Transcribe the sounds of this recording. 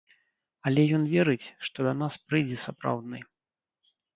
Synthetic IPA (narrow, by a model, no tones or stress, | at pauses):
ɐlʲɛjɔnvʲɛɾɨt͡sʲʂt̪ɔd̪ɐnaspɾɨjd͡zʲɛsapɾa̰wd̪nɨ